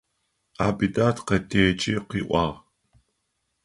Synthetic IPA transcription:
aːbidaːtʰqɐtʰeːt͡ʃʼiːqiːʔʷʼɑ̰ːʁ

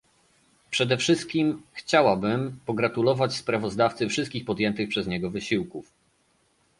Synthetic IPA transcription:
pʂɛd̪ɛfʂɘst̪̚kʲimxt͡ɕawabɘmpɔɡɾat̪ulɔvat͡ɕspɾavɔzd̪aft̪sɘfʂɘst̪kʲixpɔd̪ʲjɛnt̪ɘxpʂɛzɲɛɡɔvɘɕiwkuf

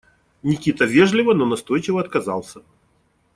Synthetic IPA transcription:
nʲɪkʲit̪əvʲeʐlʲɪvənonɐst̪o̞jt͡ɕɪvəɐt̪̚kɐza̰lˠsʲə

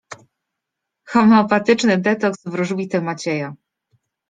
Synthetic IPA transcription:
xɔmɛɔpat̪ɘt͡ʂnɘd̪ɛt̪ɔksvɾuʐwʲit̪ɛmat͡ɕɛja

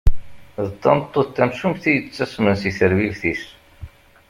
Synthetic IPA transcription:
ðət̪ˤːɑ̰nt̪ˤːot̪ːæmʃumθijət͡sːæsmənsiθəɾvivθis

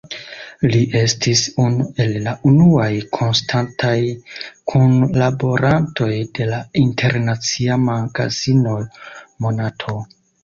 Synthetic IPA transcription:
liʔe̞stisunue̞lːaʔunuajkʰo̞nstʰantʰajkʰunlabo̞ɾanto̞jde̞laintʰe̞ɾnat͡siamaɡa̰zino̞mo̞natʰo̞

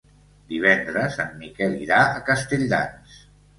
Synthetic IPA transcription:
d̪iβ̞ɛnd̪ɾəsanːikɛliɾaəkəst̪eʎd̪a̰ns

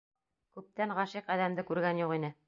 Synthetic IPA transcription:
kʉp̚t̪æɴʁɑʃiqæðæmd̪ɘkʉɾɡænjuqinɘ

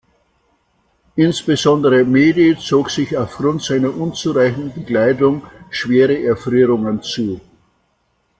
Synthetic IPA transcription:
ʔɪnsb̥əzɔndəʁəmeːdet͡soːkz̥ɪçaʊfɡ̥ʁʊntz̥aɪnɐʔʊnt͡suʁaɪçn̩bəɡlaɪtʊŋʃv̥eːʁəʔɛɐfʁyːʁʊŋənt͡suː

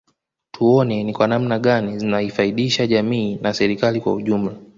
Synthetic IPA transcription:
tʰuɔnɛnikwanamnaɠanizinaifaiɗiʃaʄamiːnasɛɾikalikwa̰uʄum̩la

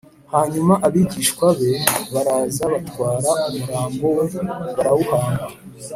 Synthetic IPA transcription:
haːɲumaʔaβiɟiːʃkwaβe̞βaɾaːzaβatwaːɾaumuɡaːmbo̞weβaɾawuhaːŋɡa

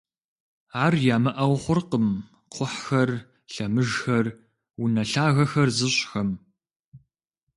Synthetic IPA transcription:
aːrjaːmɐʔɐwχʷʊrqəm | qʷʰʊħxɐr | ɬɐmɨʒxɐr | wunɐɬaːɣɐxɐrzɨɕʼxɐm

